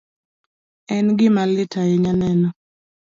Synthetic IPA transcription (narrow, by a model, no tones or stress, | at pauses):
ɛnɡɪmalɪtʰaɪɲanɛnɔ